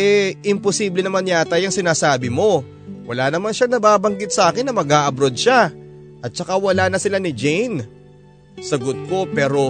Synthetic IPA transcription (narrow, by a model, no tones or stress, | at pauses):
ʔɛɪmposiːblɛnɐmanjaːt̪ɐjɐŋsɪnaːsaːbɪmo̞ | wɐlaːnɐmanʃanɐbaːbɐŋɡɪt̪̚sɐʔaːkɪnːɐmɐɡaːʔɐbɾo̞d̪̚ʃa | ʔɐt̪̚t͡ʃɐkawɐlanɐsɪlanɪd͡ʒɛjn | sɐɡot̪̚ko̞pɛːɾo̞